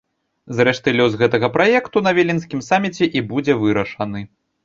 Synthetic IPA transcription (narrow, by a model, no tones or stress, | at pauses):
zɾɛʂt̪ɨlʲɔzɣɛt̪ɐɣɐpɾajɛkt̪unɐvʲelʲinsʲkʲimsamʲit͡sʲɛʔibud͡zʲɛvɨɾɐʂɐnɨ